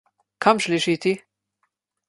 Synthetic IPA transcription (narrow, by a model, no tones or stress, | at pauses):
kʰɐmʃliʃiːt̪i